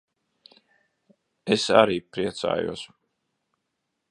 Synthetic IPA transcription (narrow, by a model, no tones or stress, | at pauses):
esa̰ɾiːpɾiɛt̪sa̰ːjṵɔs